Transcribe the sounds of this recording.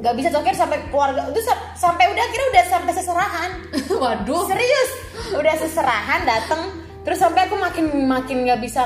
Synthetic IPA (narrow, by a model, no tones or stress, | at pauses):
ŋɡaʔbisat̪okɪɾsampɛkluarɡat̪usa | sampɛjudahkiɾaudahsampɛjsəsəɾaɦan | wadʊsəɾiʊs | udahsəsəɾaɦandat̪əŋ | t̪əɾʊsːampaɛjakumakɪnmakɪnŋɡaʔbisa